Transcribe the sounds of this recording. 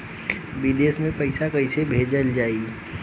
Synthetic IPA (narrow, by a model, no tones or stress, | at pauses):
bid̪eːsmẽpɐɪsakɐɪsebʱeːd͡ʒəld͡ʒaːi